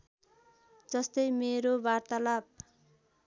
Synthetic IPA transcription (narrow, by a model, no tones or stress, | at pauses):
d͡zʌst̪ʌjmeɾobart̪alab̚